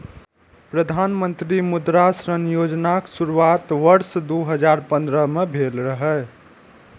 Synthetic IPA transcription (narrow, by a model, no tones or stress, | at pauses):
pɾəd̪ʱanmənt̪ɾimud̪ɾasɾənjod͡ʒnaksuɾuat̪ʋəɾsd̪uɦəd͡ʒaɾpə̃nd̪ɾəmebʱelɾəɦə